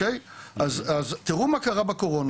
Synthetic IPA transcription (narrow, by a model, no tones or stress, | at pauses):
ejazazt̪iʁumakaʁabakoʁon